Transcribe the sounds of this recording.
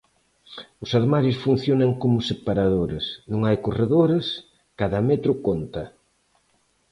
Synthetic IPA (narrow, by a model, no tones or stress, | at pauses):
ʊsaɾmaɾjʊsfun̟θjonaŋkomʊsepaɾaðoɾɪsnõŋajkoreðoɾas | kaðamɛt̪ɾʊkont̪ɐ